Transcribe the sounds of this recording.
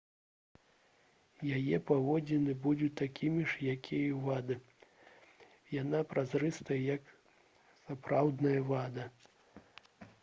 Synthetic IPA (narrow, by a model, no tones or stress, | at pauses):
jajɛpavɔd͡zʲɛnɨbudʲut̪akʲimʲiʂjakʲʰijuvad̪ɨ | janapɾazɾɨst̪ɐjɐjɐk | sapɾawd̪nɐjɐvad̪ɐ